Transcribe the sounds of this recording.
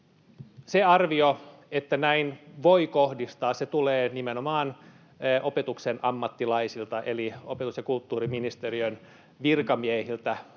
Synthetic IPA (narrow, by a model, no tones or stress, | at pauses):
seɑrʋioet̪ːænæinʋoikohdist̪ɑːsset̪uleːnimenomɑːn | ʔo̞pet̪uksenɑmːɑt̪ːilɑisilt̪ɑʔe̞lio̞pet̪usjɑkult̪ːuːɾiminist̪eriøn | ʋirkɑmiehilt̪æ